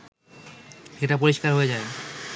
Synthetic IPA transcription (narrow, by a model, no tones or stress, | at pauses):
ʃeʈap̬oɾiʃkaɾɦoed͡ʑae